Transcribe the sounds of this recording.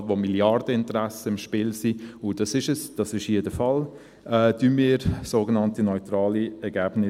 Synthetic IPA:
tʋomiljɑrd̥əɪntɾæsəɪmʃpɪːlsiʊd̥ɑsɪʃəsd̥ɑsɪʃeːdəfɑl | ɛːdynmiːɾsoːɡənɑntinɔʏtɾɑːliɛɾɡæːb̥nɪ

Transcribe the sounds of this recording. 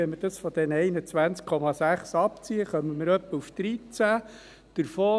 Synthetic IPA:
ɛməd̥ɑsfɔd̥̪ɛnɛɪnət͡sʋænt͡skʰɔmɑsæχsɑpt͡siəχœməmɪɾœpːəufd̪̥ɾit͡sæ | d̥əɾfoː

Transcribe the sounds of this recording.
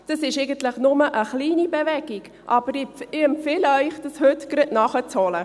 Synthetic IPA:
d̥ɑsɪʃɛɪɡənt̪ləχnʊməʔəχliːnibevɛɡ̥iɡ̥ | ʔɑb̥əɾɪɪɛmpfɪlœʏχd̥ɑshøtɡ̥ɾɪʔnɑχət͡shɔlə

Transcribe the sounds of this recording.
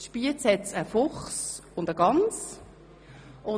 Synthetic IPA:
ʃpiət͡shɛtt͡səfʊχsʊndəɡɑnt͡s | ʔʊ

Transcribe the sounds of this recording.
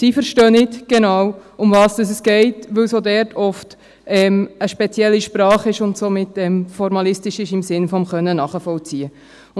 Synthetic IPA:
sifəɾʃtøːnɪtɡ̥enɑːwʊmvɑːsd̥ɑs̬ɛsɡ̥ɛɪtʋɵwsodɛɾtʰɔft | ɛːməʃpɛt͡sjɛlːiʃpɾɑːχɪʃʊntsomɪtːɛːmfɔɾmɑlɪstɪʃɪʃɪmsɪnfɔmχœnːənɑːχəfɔlt͡siə

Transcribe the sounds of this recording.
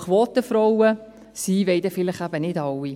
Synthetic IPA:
χʋɔːt̪əfɾɔwə | siːʋɛɪd̪əfɪləχæbənɪdɑwi

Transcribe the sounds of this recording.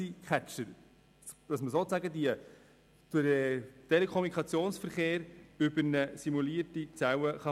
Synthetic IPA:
ikʰæt͡ʃəɾ | d̥ɑsməsoːt͡sæɡədiə | d̥ʊɛtelekʰχɔmnikχɑt͡sjoːnsfəɾχeːɾʏbəɾnəsimuliːəɾtit͡sawəχɑ

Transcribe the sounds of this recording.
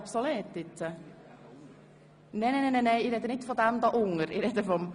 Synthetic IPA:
psoleːt̪ːɪt̪ːə | nenenenɛneiɾɛd̪ənɪt̪fɔd̪æmd̪ɑʔʊŋəɾḭɾɛd̪əfɔm

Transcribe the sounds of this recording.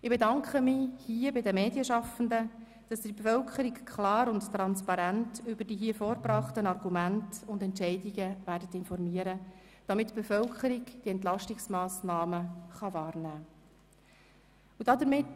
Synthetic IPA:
ɪbedɑŋkχəmihiːəbɪdəmeːdiəʃɑfən̩də | d̥ɑsdɪbefœlkʰəɾikkʰlɑːɾʊnttɾɑnspɑɾæntʏbəɾd̥iːɦiəfoːɾbrɑχtənɑrɡumæntʊndɛntt͡ʃɛɪdiɡəvæːɾdətɪnfɔrmiːəɾə | d̥ɑmɪtːb̥efœlkχəɾiɡd̥iɛntlɑʃtɪksmɑːsnɑːməχɑʋɑːrnæː | ud̥ɑdəɾmɪt

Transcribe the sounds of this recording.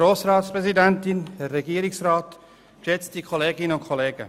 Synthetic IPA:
ɾoːsrɑːtspʁɛzidɛntɪnhɛrːɛɡiːɾɪksraːt | kʃɛt͡stikʰɔleːɡɪnəʊntkʰɔleːɡ̥ə̰

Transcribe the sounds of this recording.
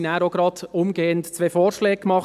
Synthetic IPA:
næːɾoɡɾɑdʊmɡeːəntt͡sʋeːfɔːɾʃlɛːɡ̥əkmɑχ

